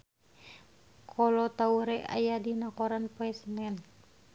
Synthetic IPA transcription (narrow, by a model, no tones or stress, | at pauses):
kʰɔlɔt̪auɾɛa̰jadinakoɾanpɔɛsnɛn